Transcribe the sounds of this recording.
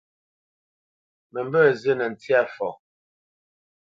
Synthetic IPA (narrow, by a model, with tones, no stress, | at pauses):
mə˨mbə˦˨zə˦nɛ˨n̩˨tja˦˨fɔ̰˨